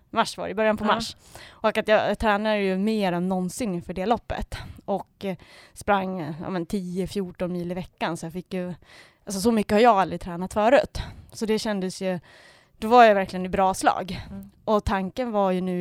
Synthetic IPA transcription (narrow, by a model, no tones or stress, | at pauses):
maʂva̰ɾə̰ɪbœɾjanpʰɔmaʂː | ʔɔkat̪jɑːt̪ʰɾɛːnad̪əjɵmeːɾɛnːɔnsɪnɪnfœɖɛːlɔpːə̰t̪ʔɔkspɾaŋːjɑ̰ːmɛnt̪ʰiːəfjuːʈɔnmiːləɪvɛkːansɔjɑfɪkːjɵ | ʔalsɔs̬ɔmʏkːəhaɾjɑːɡald̪ɾɪt̪ʰɾɛːnat̪fœːɾʉ̰ːt̪sɔd̪ɛɕɛnd̪əsjɵ | d̪̥ɔvaɾjajvæɾklɪɡənɪbɾɑːslɑ̰ːɡʔɔt̪ʰaŋkənvaɾjɵnʉ̟ː